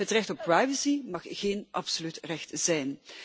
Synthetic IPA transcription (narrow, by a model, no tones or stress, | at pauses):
ɦətrɛxtɔpːrajvəsimɑχɣeːnʔɑpsolytrɛxtz̥ɛjn